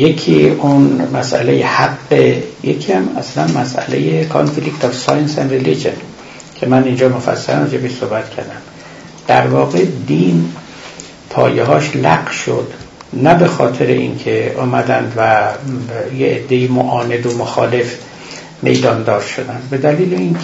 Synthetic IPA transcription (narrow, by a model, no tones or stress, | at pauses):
jekʰiunmæsʔæ̰lejehæɡːejecʰiæmæslænmæsʔæ̰lejekʰo̰nfilikt̪ʰɒfsɒːjensænrelid͡ʒen | kʲʰemænind͡ʒɒːmofæ̰sːælæ̰mrɑd͡ʒebiʃsohbæt̪cʰæɾd̪æm | d̪̥æ̰ɾvɒːɣed̪in | pʰɒ̰ːjeɦɒːʃlæɡʃo̰d̪ | næbe̞xɒːt̪ʰeɾḛʔḭnkʰeʔɒːmæd̪ænd̪væ | jeʔed̪ːe̞imoʔɒːne̞d̪omoxɒ̰ːle̞f | me̞̰jd̪ɒːnd̪ɒːɾʃod̪ænd̪be̞d̪æliːlein